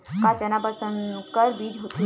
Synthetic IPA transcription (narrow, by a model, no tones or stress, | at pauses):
kat͡ʃənapəɾsənkəɾbiːd͡ʑɦot̪u